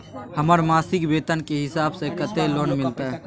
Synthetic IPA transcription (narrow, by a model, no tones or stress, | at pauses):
həməɾmaːsɪkbeːt̪ənkeɦɪsaːbsekət̪eloːnmɪlt̪aɦɛ